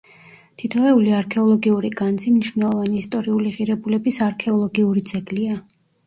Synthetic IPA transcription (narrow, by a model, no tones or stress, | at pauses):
t̪ʰit̪ʰɔvɛuliaɾkʰɛɔlˠɔɡiuɾiɡand̪zimniʃwnɛlˠɔvaniːst̪ʼɔɾiuliʁiɾɛbulɛbisaɾkʰɛɔlˠɔɡiuɾid̪zɛɡlia